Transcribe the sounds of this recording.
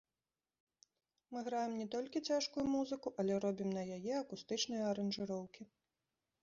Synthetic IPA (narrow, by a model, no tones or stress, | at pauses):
mɨɣɾajɛmnʲɛt̪ɔlʲkʲit͡sʲaʂkujumuzɨkuʔɐlʲɛɾɔbʲimnɐjajɛɐkust̪ɨt͡ʂnɨjɐɐɾɐnʐɨɾɔwkʲi